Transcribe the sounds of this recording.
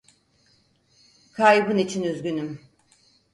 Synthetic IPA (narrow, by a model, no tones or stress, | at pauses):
kʰajbɯnit͡ʃʰinyzɡʲynym